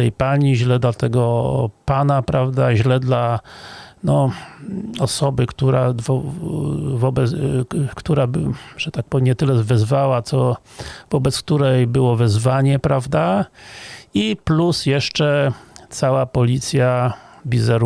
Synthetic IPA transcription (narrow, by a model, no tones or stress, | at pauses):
ɛjpaɲiʑlɛd̪lat̪ɛɡɔpanapɾavd̪aʑlɛd̪la | nɔ | ɔsɔbɘkt̪uɾavɔ | vɔbɛkt̪uɾabʐ̥ɛt̪ak̚pɔvʲmɲɛt̪ɘlɛvɛzvawat̪sɔvɔbɛt̪sk̚t̪uɾɛjbɘwɔvɛzvaɲɛpɾavd̪a | iplusjɛʂt͡ʂɛt̪sawapɔlʲit̪sʲjabʲizɛɾ